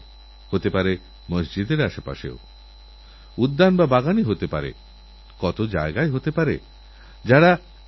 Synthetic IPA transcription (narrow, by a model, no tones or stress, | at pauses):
hot̪epaɾe | məsd͡ʑid̪eɾaʃepa̰ʃḛo | ud̪ːanbabaɡaniɦot̪epa̰ɾḛ | kɔt̪od͡ʑa̰eɡaeɦot̪epaɾe | d͡ʑaɽa